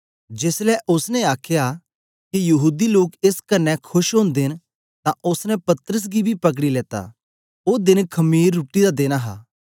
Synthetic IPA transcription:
d͡ʒeːslɛʔʊsnɛ̃aːkʰja | kijɐɦuːd̪iloːkeskɐnːɛkʰʊʃɦõːnd̪ɪn | t̪ãʔʊsnɛ̃pɐt̪ɾəs̬ɡibʱipɐk̬ɽileːt̪a̰ | oːd̪ɪnkʰɐmiːɾːuːʈid̪ad̪eːnaɦa̰ː

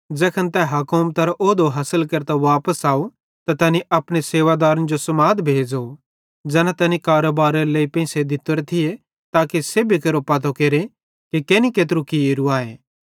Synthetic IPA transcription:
d͡ʒɛːkʰənt̪ɛɦɐkomt̪ɐɾʔoːd̪oɦɐsəlkɐɾt̪aʋaːpəsaːo | t̪at̪ɛːniʔɐpɽ̃eseːʋad̪aːɾənd͡ʒosɐmaːd̪bʱeːd͡ʒo | d͡ʒɛːnat̪ɛːnikaːɾoːbaːɾɐɾeleːipɛ̃ɪ̃sed̪ɪt̪ːəɾt̪ʰɪe | t̪aːkisebʱikɐɾopɐt̪̬okeːɾe | kikeːnikeːt̪̬ɾukieːɾuaːeː

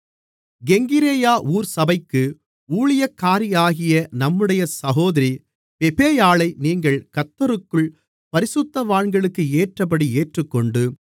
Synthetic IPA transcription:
ɡɛŋɡɪɾeːjaːʔuːɾsɐbɐɪkːɯ | uːɭɪjɐkːaːɾɪjaːɣɪjɐnɐmːɯɽɐjɐsɐɣoːðɐɾi | pɛpeːjaːɭɐɪniːŋɡɐɭkɐt̪ːɐɾɯkːɯɭ | pɐɾɪsɯt̪ːɐʋaːɳɡɐɭɯkːɯeːʈrɐp̬ːɐɽieːʈrɯkːɔɳɖɯ

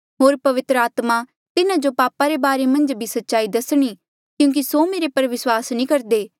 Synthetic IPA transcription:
ɦoːɾpɐʋɪt̪ɾəaːt̪ma | t̪ɪnãd͡ʒopaːpaɾebaːɾemɐ̃nd͡ʒbʱisɐtːʃaːid̪ɐsɽ̃i | kjũːk̬isomeːɾepɐɾʋɪswaːsnĩːkɐɾd̪eː

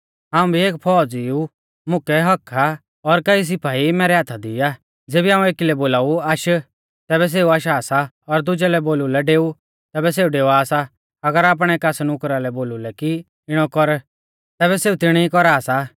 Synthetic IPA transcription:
ɦaːũbʱieːkpʰɔːd͡ziu | mʊkɛɦɐkʰa | ɔɾkɐis̬ɪpʰaːimɛːɾɛɦaːt̪ʰad̪ɪːaː | d͡zeːbiɦãːũeːkilɛboːlaːuaːʃ | t̪ɛːβɛs̬eːuaːʃaːsa | ɔɾd̪ʊd͡ʒɛlɛboːlulɛɖeːu | t̪ɛːbɛs̬eːuɖeːuaːsa | ɐɡəɾaːp̬ɽ̃ɛːkaːsnʊkɾalɛboːlulɛki | ɪɽ̃ɔkɔɾ | t̪ɛːβɛseːut̪ɪɽ̃iikɔɾaːsa

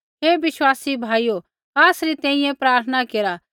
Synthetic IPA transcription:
ɦeːʋɪswaːsibʱaːijo | aːsɾit̪ɛ̃ːĩjɛ̃pɾaːɾt̪ʰənakeːɾa

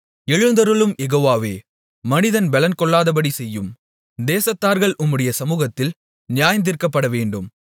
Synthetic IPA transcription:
ɛɻɯnd̪ɐɾɯɭɯmjɛɣoːʋaːʋḛː | mɐnɪðɐnbɛlɐnkɔɭːaːðɐpɐɽisɛjːɯm | d̪eːsɐt̪ːaːɾɣɐɭʔʊmːɯɽɐjɐsɐmuːɣɐt̪ːɪl | nɪjaːjɐnd̪ɪɾkɐpːɐɽɐʋeːɳɖɯm

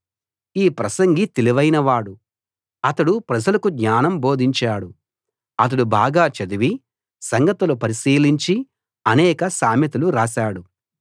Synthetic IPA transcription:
iːpɾɐsɐŋɡit̪eliʋɐjnɐʋaːɽu | ɐt̪ɐɽupɾɐd͡ʒɐlɐkuɡɲaːnɐmbo̞ːd̪ʱiɲt͡ʃaːɽu | ɐt̪̬ɐɽubaːɡaːt͡ʃɐd̪uʋi | sɐŋɡɐt̪ɐlupɐɾisiːliɲt͡ʃi | ɐnɛːkɐsaːmjɐt̪uluɾaːʃaːɽu

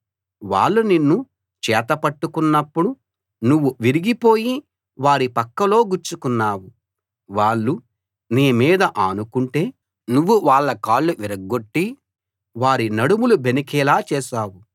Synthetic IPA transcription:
ʋa̰ːɭːuninːu | t͡ʃɛːt̪ɐpɐʈːukunːɐpːuɽu | nuʋːuʋiɾiɡipo̞ːji | ʋaːɾipɐkːɐlo̞ːɡuɾt͡ʃukunːaːwu | ʋaːɭːu | neːmiːd̪ɐʔɐnukuɳʈe̞ː | nuʋːuʋaːɭːɐkaːɭːuʋiɾɐɡːo̞ʈːi | ʋaːɾinɐɽumulubenikɛːlaːt͡ʃɛːʃaːwu

